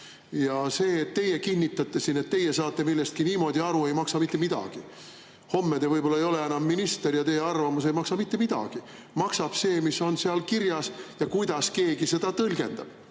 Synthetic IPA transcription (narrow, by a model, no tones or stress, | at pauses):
jɑse̞ːt̪tːe̞jekinʲːit̪ːˑɑt̪ːˑesine̞t̪ːe̞jːesɑːt̪ːˑe̞milːe̞st̪̚kiniːmo̞d̪ʲiɑɾue̞jmɑksɑmit̪ːemid̪̥ɑ̰ɡ̥i | ho̞mːed̪evɤjb̥o̞lːɑejo̞le̞enɑmːinist̪e̞rjɑt̪e̞jeɑrvɑmuse̞jmɑksɑmit̪ːe̞mid̪̥ɑ̰ɡ̥i | mɑksɑb̥se̞ːmiso̞nseɑlkirjɑsjɑkujd̪̥ɑske̞ːɡ̥ise̞d̪̥ɑt̪ɤlɡ̥e̞̰nd̪̥ɑb̥